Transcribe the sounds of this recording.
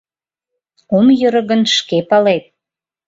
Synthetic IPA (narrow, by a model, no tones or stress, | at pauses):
omjəɾə̆ɣənʃkepɑlet̪̚